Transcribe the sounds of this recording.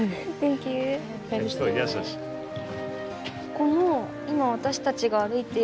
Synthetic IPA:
tẽŋkʲɨː | t̪ojasaɕi̥ | ko̞no | imaβ̞at̪aɕi̥t̪at͡ɕiɡaːɾɯ̟it̪e

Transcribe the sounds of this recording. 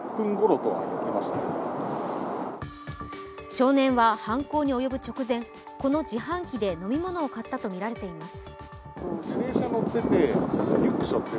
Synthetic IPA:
pːɯ̟̃ŋɡo̞ɾo̞t̪o̞̰a̰a̰jot̪ːemaɕi̥t̪a | ɕo̞ːnẽ̞ɰ̃βahãŋko̞ːɲ̟io̞jo̞bɯ̟t͡ɕo̞kɯ̟zẽ̞ŋ | ko̞no̞d͡ʑiɦãŋkʲid̪e̞no̞mʲimo̞no̞ːkat̪ːat̪o̞mʲiɾaɾe̞t̪e̞imasɨ̥ | konod͡ʑiɾe̞ːɕano̞t̪ːe̞t̪e̞ɾʲikːɯ̟̥ɕot̪ːe

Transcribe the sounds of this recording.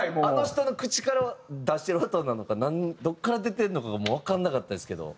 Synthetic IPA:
ano̞çi̥t̪o̞no̞kɯ̟t͡ɕi̥kaɾaβad̪aɕi̥t̪eɾɯat̪onːano̞kanãɲ̟id̪o̞kːaɾad̪e̞t̪e̞ɾɯ̟no̞kaɡamoːβ̞akãnːakat̪ːad̪esɨ̥ke̞d̪o̞̰

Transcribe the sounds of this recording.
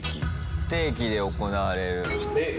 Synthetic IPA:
kʲi | t̪e̞ːk̬ʲid̪e̞o̞ko̞naːɾe̞ɾɯ̟

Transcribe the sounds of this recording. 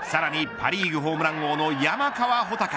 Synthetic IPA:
saɾaɲ̟ipʰa̰ɾʲiːɡɯ̟ɦo̞ːmɯ̟ɾãŋɡo̞ːno̞jamakaβaɦo̞t̪aka

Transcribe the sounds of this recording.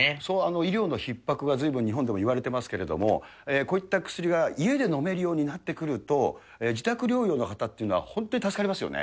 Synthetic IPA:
soːano̞iɾʲo̞ːno̞çipːakɯ̟ɡad͡zzɨibɯ̟̃ɲ̟ɲiɦõ̞nd̪e̞mo̞iβaɾe̞t̪e̞masɨ̥ke̞ɾe̞d̪o̞̰mo̞̰ | eːko̞ːit̪ːakɯ̟̥sɨɾʲiɡaie̞d̪e̞no̞me̞ɾɯ̟joːɲ̟inat̪ːe̞kɯ̟ɾɯ̟t̪o̞ | eːd͡ʑit̪akɯ̟ɾʲo̞ːjo̞ːno̞kat̪at̪ːe̞iɯ̟no̞a̰hõ̞nt̪o̞ɲit̪asɨ̥kaɾʲimasɨjo̞̰nḛ

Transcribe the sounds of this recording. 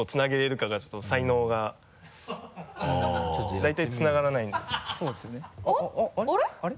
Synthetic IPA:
ot͡sɨnaɡe̞ɾe̞ɾɯ̟kaɡat͡ɕot̪ːosaino̞ːɡa | od̪ait̪ait͡sɨnaɡaɾanaĩnd̪essoːd̪esɨjone | ɾeɾ

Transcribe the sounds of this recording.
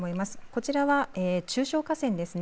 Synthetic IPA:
mo̞imasɨ̥ko̞t͡ɕiɾaβaeːt͡ɕɨːɕo̞ːkasẽ̞nd̪e̞sɨn

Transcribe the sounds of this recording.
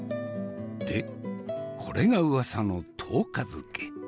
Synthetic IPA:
d̪̥e | kʰo̞ɾʔe̞ɡaɯ̟asano̞t̪ʰo̞ːkazɨke

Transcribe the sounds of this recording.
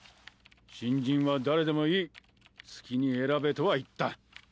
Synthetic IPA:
ɕĩɲd͡ʑĩɰ̃βad̪aɾe̞d̪e̞mo̞iː | t͡sɨ̥kʲiɲ̟ie̞ɾabe̞t̪o̞βait̪ːa

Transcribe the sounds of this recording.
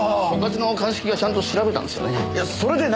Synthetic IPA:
oɡat͡sɨno̞kãɰ̃ɕi̥kʲiɡat͡ɕãnt̪o̞ɕiɾabet̪ã̰nd̪esɨjo̰nejaso̞ɾe̞d̪e̞n

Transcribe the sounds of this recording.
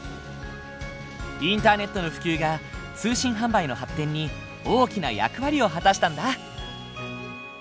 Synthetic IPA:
ĩnt̪aːne̞t̪ːo̞no̞ɸɯ̟̥kʲɨːɡat͡sɨːɕĩɰ̃ɦãmbaino̞ɦat̪ːẽ̞ɲ̟ːi | o̞ːkʲinaja̰kɯ̟βaɾʲio̞ɦat̪aɕi̥t̪ãnd̪a

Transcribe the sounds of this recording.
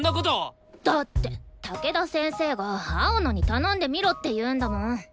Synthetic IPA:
ndaɡod͡ʑo | t̪at̪͈ːet̪ak͈ed̪as͈ʰensʰeɡaaɯnaɲit̪anand̪e̞miɾot̪͈ejɯɯnd̪ano

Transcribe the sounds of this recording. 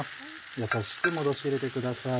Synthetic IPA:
s | jasaɕi̥kimo̞d̪o̞ɕiɾe̞t̪e̞kɯ̟d̪asa

